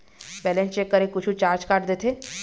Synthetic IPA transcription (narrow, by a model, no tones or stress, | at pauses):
bɛlẽnt͡ʃekːəɾẽkʊt͡ʃʰũt͡ʃaːɾd͡ʒkaːʈd̪eːt̪ʰeː